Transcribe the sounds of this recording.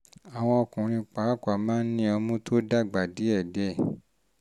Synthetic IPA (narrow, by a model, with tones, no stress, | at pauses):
a˨w̃ɔ̃˧ɔ˧kũ˨ɾ̃ĩ˧k͡pa˨˦˨kʷa˨mãː˦n̩˦nĩ˦ɔ˧mũ˦tʰo˦da˦˨ɡ͡ba˨di˨˦ɛ˦˨dɛ˨˦˨